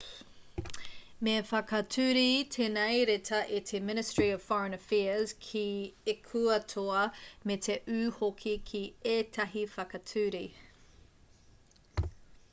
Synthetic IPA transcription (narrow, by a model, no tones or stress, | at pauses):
mefɐkɐtʰʉːɾitʰenɐjɾetʰɐʔetʰemɪnɪstɹ̥iɔv̥fɔɹə̃nəfɛz̥kʰiekʰuɐtʰoɐmetʰeʔʉːhokʰikʰieːtʰɐɦifɐkɐtʰʉːɾi